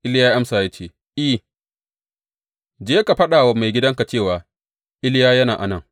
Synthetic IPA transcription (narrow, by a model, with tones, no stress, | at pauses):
ʔɪ˦ljaː˦ʔa˦msaː˨jaː˦t͡ʃeː˦˨ | ʔɪ˦˨ | d͡ʒeː˦ka˨ɸɐ˦ɗaː˨wɐ˦mːa˨jɡʲɪ˦dɐ˦ŋka˨t͡ʃeː˦˨waː˨ | ʔɪ˦ljaː˦jɐ˦naː˨ʔa˨nɐ˦˨ŋ